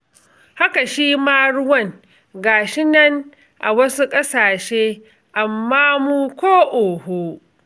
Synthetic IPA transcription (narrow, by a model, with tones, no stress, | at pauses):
ha˦ka˨ʃiː˦maː˦ɽʊ˦wɐ˦˨ŋ | ɡaː˨ʃɪ˦nɐ˦ŋ | ʔa̰˨wɐ˦su˦kʼɐ˦saː˨ʃeː˦ | ʔa˨mːaː˦muː˦kʷoː˦ʔoː˨hoː˦